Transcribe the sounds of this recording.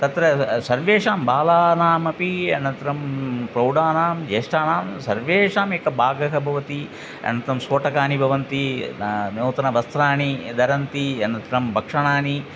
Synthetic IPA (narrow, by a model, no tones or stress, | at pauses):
t̪ɐt̪ɾɐsɐɾʋeːʂaːmbaːlaːnaːmɐpiɐnɐnt̪ɾɐmpɾɐwɖaːnaːmd͡ʒeːʂʈaːnaːmsɐɾʋeːʂaːmeːkɐbaːɡɐɦɐbʱɐʋɐt̪i | ɐ̰nɐnt̪ɾɐmsoːʈɐkaːnibʱɐʋɐnt̪i | noːt̪ɐnɐʋɐst̪ɾaːnid̪ɐɾɐnt̪iɐnɐnt̪ɾɐmbʱɐkʂɐɳ̃aːni